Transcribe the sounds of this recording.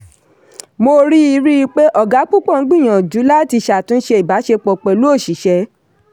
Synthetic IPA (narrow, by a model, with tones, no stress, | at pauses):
mo˧ɾi˦i˧ɾi˦i˧k͡pe˦ʔɔ˦˨ɡa˨˦k͡pu˦k͡pɔ̃˦˨ŋ̩˦ɡ͡bĩ˦˨j̃ã˨d͡ʒu˨˦la˦˨ti˧ʃa˨tũ˨˦n̩˦ʃe˧˦i˨ba˨˦ʃe˧k͡pɔ˨k͡pɛ˨lu˦o˦˨ʃi˨˦ʃɛ˧˦